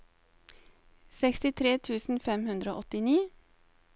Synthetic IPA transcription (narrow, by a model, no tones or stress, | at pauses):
sɛkst̪ɪt̪ʰɾeːt̪ʰʉːsn̩fɛmhʉnd̪ɾəo̰ːʔɔt̪ɪniː